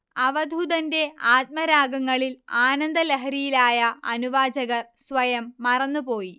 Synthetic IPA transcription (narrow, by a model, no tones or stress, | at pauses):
ɐʋɐd̪ʱud̪ɐnde̞aːt̪̚mɐɾaːɡɐŋːɐɭilaːnɐnd̪ɐleɦɐɾijilaːjɐɐnuʋaːd͡ʑɐɣɐrsʋɐjɐmːɐrɐnːupo̞ːji